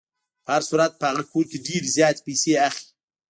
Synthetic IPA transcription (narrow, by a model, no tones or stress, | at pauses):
pəhaɾsuɾat̪̚pəhaɣakoɾkeɖeɾzjɑːt̪e̥pejseaxi̥